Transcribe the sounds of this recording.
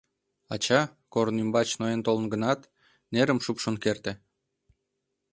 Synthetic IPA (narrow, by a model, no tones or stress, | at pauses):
ɑt͡ɕɑ | koɾnymbɑt͡ɕnoent̪olənɡə̆nɑt̪ | neɾəmʃupʃonkert̪ĕ